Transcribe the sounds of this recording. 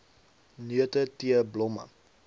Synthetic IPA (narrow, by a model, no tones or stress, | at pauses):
nyətətiəblɔmə̰